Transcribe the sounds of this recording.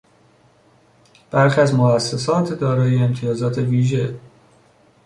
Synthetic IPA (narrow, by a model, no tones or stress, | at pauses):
b̥æɾxiæzmoæsːesɒːt̪ʰd̪ɒːɾɒːjeːmt̪ʰijɒːzɒːt̪ʰe̞viːʒe̞